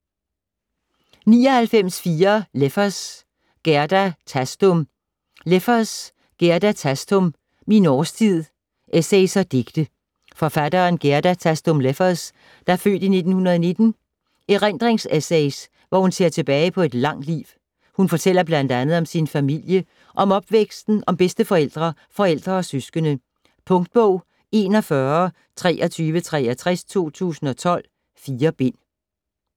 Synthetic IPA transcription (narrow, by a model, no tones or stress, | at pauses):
nḭːɒ̽hælfem̰sfiːɐlefɐs | ɡ̥eɐd̥æt͡sʰæsd̥om | lefɐs | ɡ̥eɐd̥æt͡sʰæsd̥om | minɒːst͡sʰið̰ˠ | ʔeseɪsɐd̥e̝ɡ̥d̥ə | fɒ̽fæd̥ɐːnɡ̥eɐd̥æt͡sʰæsd̥omlefɐs | d̥ɑ̈æɐfø̰ːd̥ine̝d̥n̩hunɐð̞ˠne̝d̥n̩ | eʁen̰d̥ʁeŋsesɛɪs | ʋɒhunse̝ɐt͡sʰe̝b̥ɛːɪpʰɒ̽e̝d̥lɑ̈ŋ̰d̥lḭːʋ | hunfɒ̽t͡sʰel̰ɐb̥lænd̥ænð̞̩ˠɒ̽msinfæmil̰jə | ʔɒ̽mɒ̽b̥ʋeɡ̥sd̥n̩ɒ̽mb̥esd̥əfɒ̽el̰d̥ʁɐ | fɒ̽el̰d̥ʁɐɒ̽søsɡ̥ənə | pʰɔ̽ŋd̥̚b̥ɔʊ̰ | e̝nɒ̽fɶɐ | t͡sʰʁɛ̰ːʔɒt͡sʰyːʋət͡sʰʁɛ̰ːɐt͡sʰʁast͡sʰo̝̰ːt͡sʰṵːsn̩ɒ̽t͡sʰɒ̽l̰ | fiːɐb̥e̝n̰